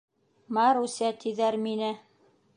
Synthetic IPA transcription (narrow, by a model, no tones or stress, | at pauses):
mɑɾusʲæt̪iðæɾminɘ